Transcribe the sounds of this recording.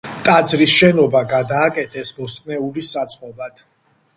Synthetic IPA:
t̪ʼad̪zɾisʃɛnɔbaɡad̪aːkʼɛt̪ʰɛsbɔst̪ʼnɛulisat̪sʼqʼɔbad̪̥

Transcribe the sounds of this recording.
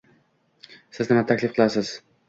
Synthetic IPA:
sɪznɪmat̪ʰakʲlɪfqʰɨlˠasɪz̥

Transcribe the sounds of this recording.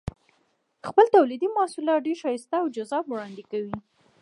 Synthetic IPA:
xpəlt̪awlid̪imɑsulɑɖeɾʃɑjist̪aːwd͡ʒazɑbwɽɑnd̪ɪkawi

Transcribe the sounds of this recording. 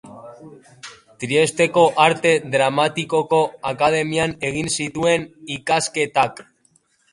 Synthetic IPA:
t̪ɾie̞st̪e̞ko̞ʔaɾt̪e̞ðɾamat̪iko̞ko̞akað̞e̞miane̞ɣ̞insit̪ue̞nikaske̞t̪ak

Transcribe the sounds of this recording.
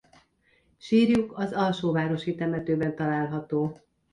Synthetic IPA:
ʃiːrjukɒzɒlʃoːvaːɾo̞ʃit̪ɛmɛt̪øːbɛnt̪ɒlaːlɦɒt̪oː

